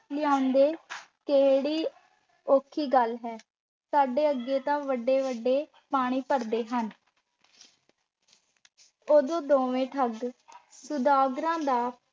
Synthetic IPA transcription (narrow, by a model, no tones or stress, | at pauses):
lɪjãːʊnd̪eː | keɽiː | oːkʰiːɡəlɦɛː | saːɖeːəɡːeːt̪ãːʋəɖeːʋəɖeː | paːɽ̃iːpəɾd̪eːɦən | oːd̪õːd̪oːʋẽːʈʰəɡsʊd̪aːɡɾãːd̪aː